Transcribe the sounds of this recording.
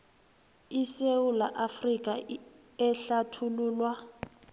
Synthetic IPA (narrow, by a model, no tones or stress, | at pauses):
isewulaʔafrikʼa | ɛɬatʰuluːlwa